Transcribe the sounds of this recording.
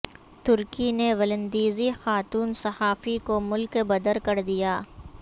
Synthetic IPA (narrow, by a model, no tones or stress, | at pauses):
t̪ʊɾkineʋɐlə̃nd̪iːzixaːt̪uːnsɐhaːfikomʊlkbɐd̪əɾkɐɾd̪ijaː